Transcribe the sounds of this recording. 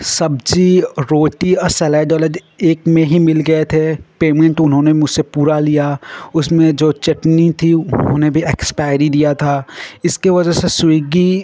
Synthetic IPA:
sɐb̚d͡ʒiɾoːʈiɔɾsɛːlaːɖɔːləd͡ʒ | eːkmẽɦimɪlɡɐet̪ʰepeːmẽɳʈʊnɦõːnemʊd͡ʒsepuːɾalijaʊsmẽd͡ʒoːt͡ʃɐʈnit̪ʰiʊnnɦõːnebʱiɛkspaːɪɾid̪ijat̪ʰaːɪskeʋɐd͡ʒəɦseswiːɡi

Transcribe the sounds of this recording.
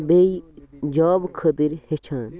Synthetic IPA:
beid͡ʒaːbkʰəd̪iɾhet͡ʃʰaːn

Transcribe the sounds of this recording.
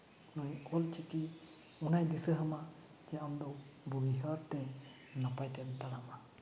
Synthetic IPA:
nɔjkɔlt͡ʃiki | unajd̪isəɦəma | d͡ʒɛamd̪ɔw | buɡiɦəɾt̪ɛ | napajt̪ɛnt̪aɽama

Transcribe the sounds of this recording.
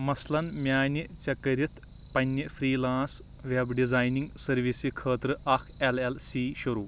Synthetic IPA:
mɐslɐnmʲjaːnʲit͡ɕɐkɐɾit̪ʰ | pɐnʲːifʰɾiːlãːns | ʋebɖizaːjniŋɡsɐɾʋisikʰəːt̪ɾɨʔɐkʰelelsiːɕuɾuː

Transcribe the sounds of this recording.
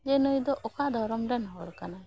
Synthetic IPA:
d͡ʒɛnɔjd̪ɔʔɔkad̪ʱɔɾɔmɾɛnɦɔɽkana

